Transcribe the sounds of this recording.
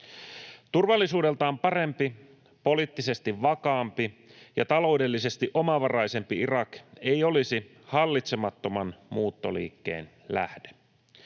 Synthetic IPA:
t̪urʋɑlːisuːde̞lt̪ɑompɑre̞mpi | po̞liːt̪ːise̞st̪iʋʋɑkɑːmpijɑt̪ɑlo̞ude̞lːise̞st̪iʔo̞mɑʋɑrɑjse̞mpiirɑke̞jo̞lisi | hɑlːit̪semɑt̪ːo̞mɑnmuːt̪ːo̞̰lḭːkːḛːn | læ̰hde̥

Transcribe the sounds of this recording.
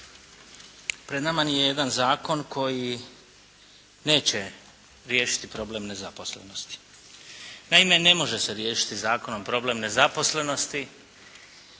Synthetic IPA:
pɾed̪namanijeje̞d̪anzaːko̞nkʰo̞ji | ne̞ːt͡ɕe̞ | ɾjeːʃi̥t̪ipɾo̞ble̞ːmne̞zapo̞slḛno̞st̪i̥ | naime̞ne̞mo̞ʒe̞seɾje̞ːʃi̥t̪izaːko̞no̞mpɾo̞ble̞mne̞zapo̞sle̞no̞st̪i

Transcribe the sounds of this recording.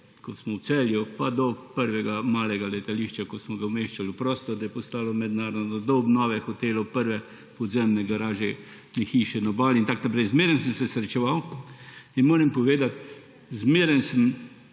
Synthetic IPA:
kɔsmɔw̪sɛljupad̪ɔpəɾʋɛɡamaːlɛɡalɛt̪aliʃt͡ʃakɔsmɔɡawmeʃt͡ʃalupɾɔːst̪ɔd̪ajɛpɔst̪aːlɔmɛd̪naːɾɔd̪nɔd̪ɔɔbnɔːʋɛxɔt̪eːlɔpəɾʋɛ | pɔd̪zɛmnɛɡɐɾaːʒɛ | nɛxiːʃɛnɔbaːlint̪aknapɾɛjzmeɾɛnsəmsɛsɾɛt͡ʃɛʋaw | inmoːɾɛmpɔʋeːd̪at̪ | zmeːɾɛnsəm

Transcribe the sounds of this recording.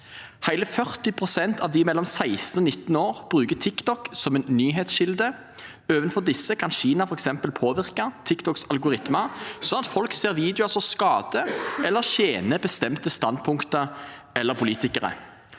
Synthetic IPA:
hæɪləfœʁt̪ɪpʰʁʊsɛnt̪ʰɑʋd̪ɪmɛlːɔmsæɪst̪ənɔnɪt̪noːʁb̥ʁʉːkət̪ʰɪkt̪ɔksɔmɛːnnyːɦeːt̪sʃɪld̪ə | øːʋənfɔʁd̪ɪsəkʰɑnʃiːnɑfɔʁɛksɛmpəlpʰoːʋɪʁkət̪ʰɪkt̪ʰɔksɑlɡʊʁɪt̪məsɔnɑt̪fɔlkseːʁʋiːd̪ɪɑsɔmskɑːd̪̥əʔɛlːəʃeːnəbəst̪ɛmt̪əst̪ɑn̚pʰʊŋkt̪ə | ʔɛlːəʁpʰʊliːt̪ɪkəʁə̰

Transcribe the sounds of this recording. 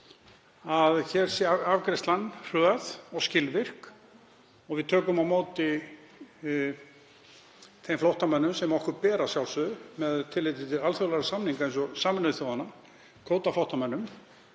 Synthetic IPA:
aðçɛɾ̥sjɛaavkɾɛst̪lanːr̥ʏːaðɔɣscɪlvɪr̥k | ɔɣvɪðt̪ʰœːkʏmawmoːwt̪ɪ | θejmflowht̪amɛnːʏmsɛmɔhkʏɾpɛːɾasjawlsʏmɛðt̪ʰɪlːɪjt̪ɪt̪ʰɪlalθœlɛɾasamniŋkaejnsɔsaːmɪnʏθowanːa | kʰoːwt̪aflawht̪amɛnːʏm

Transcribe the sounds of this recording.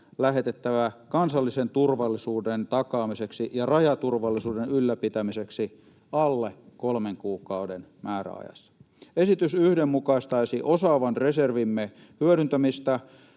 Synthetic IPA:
læɦet̪et̪ːæʋækɑnsɑlːisent̪urʋɑlːisuːdent̪ɑkɑːmiseksijɑrɑjɑt̪urʋɑlːisuːdenylːæpit̪æmiseksi | ɑlːekolmeŋkuːkɑudenmæːræ̰ɑ̰jɑ̰sːɑ̥ | esit̪ysyhdemːmukɑist̪ɑisiʔosɑːʋɑnreserʋimːe | hyøɾynt̪æmist̪æ

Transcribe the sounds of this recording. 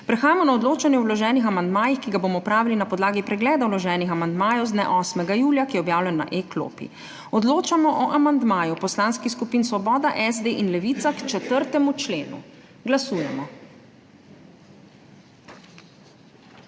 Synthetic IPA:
pɾɛxaːjamɔnaɔd̪loːt͡ʃanjɛɔwlɔʒɛːnixamand̪maːjixkiɡaboːmɔpɾaːʋilinapɔd̪laːɡipɾɛɡlɛːd̪awlɔʒɛːnixamand̪maːjɛwzd̪nɛʔɔːsmɛɡajuːljakijɛɔbjaːwljɛnːa̰ʔeklo̰pḭ | ɔd̪loːt͡ʃamɔʔɔʔamand̪maːjupɔslaːnskixskupiːnsʋɔbɔːd̪aʔɛzd̪eːʔinlɛʋiːt̪sakt͡ʃɛt̪əɾt̪ɛmut͡ʃleːnṵ | ɡlasuːjɛmɔ

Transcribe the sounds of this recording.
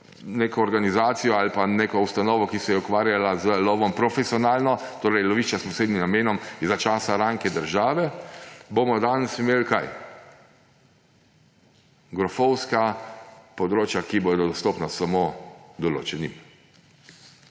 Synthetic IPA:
neːkɔːɾɡanizaːt̪sijɔalpaneːkɔust̪anɔːʋɔkisɛjɛukʋaːɾjalazəlɔːʋɔmpɾɔfɛsiɔnaːlnɔt̪oːɾɛjlɔʋiːʃt͡ʃaspɔseːd̪nimnameːnɔmzat͡ʃaːsaɾaːŋkɛd̪əɾʒaːʋɛbomɔd̪aːnɛsimeːlkaj | ɡɾɔfɔwskapɔd̪ɾoːt͡ʃjakiboːd̪ɔd̪ɔst̪oːpnasamoːd̪ɔlo̰ːt͡ʃɛnim

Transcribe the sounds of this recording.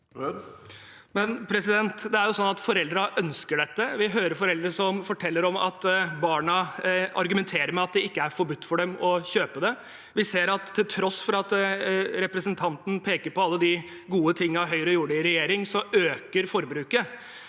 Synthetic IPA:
mɛnpʰɾɛsɪd̪ɛnt̪d̪ɛæɾjʊsɔnːɑt̪fɔɾɛld̪ɾəʔœnskəɖɛt̪ːəʋɪɦøːɾəɾfɔɾɛld̪ɾəʂɔmfɔʈʰɛlːəɾɔmɑ̰t̪bɑːɳɑʔɑɾɡʉmɛnt̪ʰeːɾəɾmɛɑt̪̚d̪ɛɪkːəæɾfɔɾbʉt̪ːfɔɖɛmɔçøːpəd̪ɛ | ʋɪseːɾɑt̪ʰːɪlt̪ʰɾɔsːfɔɾɑt̪ɾɛpɾəsənt̪ʰɑnt̪n̩pʰeːkəɾpɔɑlːəd̪ɪ | ɡuːət̪ʰɪŋːɑʋɦœʏɾəjuːɖɪɾɛjeːɾɪŋsɔøːkəɾfɔɾbɾʉːkə

